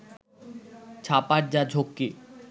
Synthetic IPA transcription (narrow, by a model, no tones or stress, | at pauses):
t͡ɕʰapaɾd͡ʑad͡ʑʱokːe